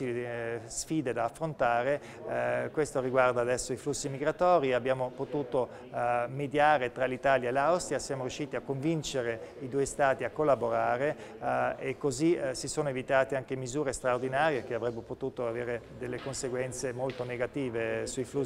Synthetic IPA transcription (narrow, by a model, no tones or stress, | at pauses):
isfiːd̪ed̪aːfːɾont̪aːɾe | kwest̪oɾiɡward̪aːd̪ɛsːoiflusːimiɡɾat̪ɔːɾiabːjaːmopot̪uːt̪o | med̪jaːɾet̪ɾalit̪aːljaelawst̪ɾiasjaːmoɾjuʃiːt̪iakːoɱvint͡ʃeɾeid̪uːest̪aːt̪iakːolːaboɾaːɾe | ekːozisisoːnoevit̪aːt̪eaŋk̟emizuːɾest̪ɾaord̪inaːɾjek̟eavɾɛbːepot̪uːt̪oaveːɾe | d̪elːekonseɡwɛnt̪semolt̪oneɡat̪iːvesuiflu